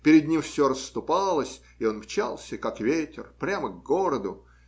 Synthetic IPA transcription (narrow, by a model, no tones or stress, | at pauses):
pʲɪɾʲɪd̪ʲnʲimfsʲoɾəsːt̪ʊpalˠəsʲ | ɪo̞nmt͡ɕa̰lˠsʲəkakvʲetʲɪ̰rpɾʲaməɡɡo̞ɾəd̪ʊ